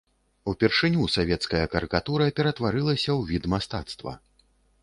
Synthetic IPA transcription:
upʲɛrʂɨnʲusavʲɛt̪skɐjɐkɐɾɨkat̪uɾɐpʲɛɾɐt̪vaɾɨlˠɐsʲɐwvʲit̪mast̪a̰t̪st̪vɐ̰

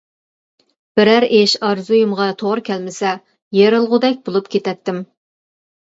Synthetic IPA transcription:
b̥ɪɾæɾeʃɑɾzujumʁɑt̪ʰoʁɾkʲʰɛlmɪsɛ | jeɾɨlˠʁʊd̪ɛk̚ʲbolˠupkʲʰet̪ɛt̪ːɪm

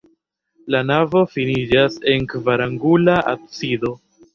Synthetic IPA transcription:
lanavo̞finid͡ʒase̞nkvaɾaŋɡulaʔa̰k̚sido̞

